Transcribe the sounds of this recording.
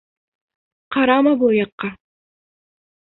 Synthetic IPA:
qʰɑɾɑmɑbujɑqːɑ

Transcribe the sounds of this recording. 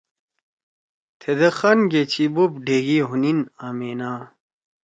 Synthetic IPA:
t̪ʰed̪ɐxɐnɡet͡ɕʰibubɖʱeːɡiɦuninaːmeːnaː

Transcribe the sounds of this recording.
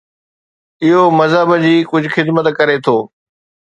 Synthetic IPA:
ɪɦomɐzəbəd͡ʑiːkʊd͡ʑʱʊxɪd̪mət̪kɐɾet̪ʰoː

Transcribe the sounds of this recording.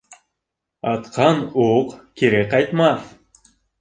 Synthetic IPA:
ɑt̪qʰɑnuqkiɾekɑjt̪mɑθ

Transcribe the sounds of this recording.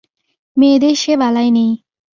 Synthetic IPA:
meːd̪eʃebalajne

